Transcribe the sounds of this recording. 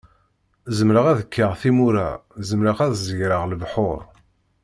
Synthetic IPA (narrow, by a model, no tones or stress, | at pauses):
zəmɾəʁæðəkːəʁθimuɾæzəmɾəʁæðzʝɾəʁlvħoɾˤ